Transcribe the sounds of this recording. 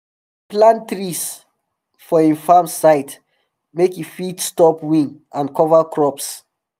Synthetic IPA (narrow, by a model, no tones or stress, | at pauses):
plãntɹis | fɔĩnfãmsaɪt | mekjufitstɔpwĩn | ãnkɔvakʰɹɔps